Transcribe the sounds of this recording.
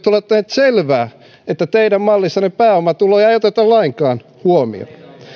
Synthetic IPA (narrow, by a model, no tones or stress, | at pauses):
t̪olːɑt̪ːæht̪selʋæː | et̪ːæt̪eidæmmɑlːisːɑnepæːomɑt̪uloːjɑeijot̪et̪ɑlɑiŋkɑːn | huomḭo̰n